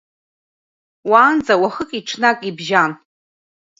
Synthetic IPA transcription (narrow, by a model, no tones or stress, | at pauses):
waːnd͡zʼawaχəkʼiʈ͡ʂʰnakʼibʒan